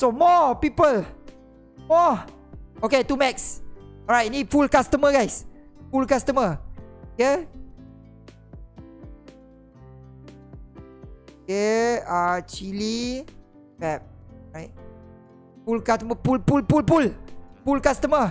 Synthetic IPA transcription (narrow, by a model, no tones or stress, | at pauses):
somɔpipəl | mɔ | oketumɛksɔɹajt̚nifulkastəməɡajs | fulkastəməoke | okeat͡ʃili | pɛp̚ɹajt̚ | fulkastəməpulpulpulpulfulkastəmə